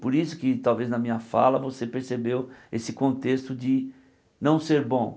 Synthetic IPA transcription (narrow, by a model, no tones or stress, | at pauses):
poɾisʊkɪt̪awveznɐmĩɲɐfa̰lɐvosepeɾsebewesɪkõnt̪est̪ʊd͡ʒɪ | nɐ̃w̃seɾbõ